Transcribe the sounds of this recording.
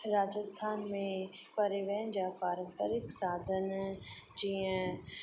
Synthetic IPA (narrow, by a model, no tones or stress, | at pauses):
ɾaːd͡ʑəst̪ʰaːnmẽpɐɾiʋeːə̃n̆d͡ʑaːpaːɾə̃mpəɾɪksaːd̪ʱənd͡ʑiːə̃